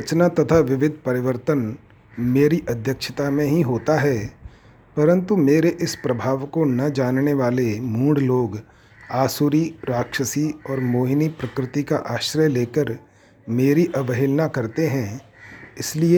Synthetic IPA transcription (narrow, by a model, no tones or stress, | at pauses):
ɾɐt͡ʃnat̪ɐt̪ʰaʋɪʋɪd̪ʱpɐɾɪʋəɾt̪ən | meːɾiʔɐd̪ʱjəkʃə̥t̪amẽɦĩɦoːt̪aɦɛː | pɐɾə̃nt̪umeːɾeʔɪspɾɐbʱaːʋkonɐd͡ʒaːnneʋaːlemũːɖloːɡ | aːsuːɾiɾaːkʃəsiɔːɾmoːɦɪnipɾɐkɾɪt̪ikaʔaːʃɾəjleːkəɾ | meːɾiʔɐʋəɦɪlnakɐɾt̪eɦɛ̃ | ɪslie